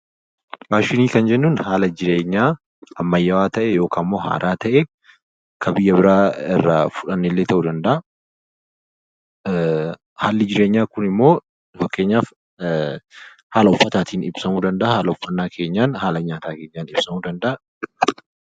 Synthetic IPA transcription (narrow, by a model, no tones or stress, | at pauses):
waːʃɪniːkɐnd͡ʒɛnːuːnhaːlɐd͡ʒɪɾe̞ːɲːaː | ɐmːɐjːɐwaːt̪ɐʔɛjo̞ːkamːo̞ːɦa̰ːɾʔaːt̪ɐʔe | kʰɐbɪjːɐbɪɾaːɪrːɐfʊᶑɐnːɪlːeːt̪ɐʔuːd̪ɐnd̪ɐʔɐ | haːlːɪd͡ʒɪɾeːɲːaːkʊnɪmːo̞ː | fɐkːe̞ːɲːaːf | haːlɐʊfːɐt̪aːt̪ʰiːnɪbsɐmuːd̪ɐnd̪ɐʔahaːlɐʊfːɐnːaːkʰe̞ːɲːaːnhaːlɐɲaːt̪aːke̞ːɲːaːnɪbsɐmuːd̪ɐnd̪ɐʔɐ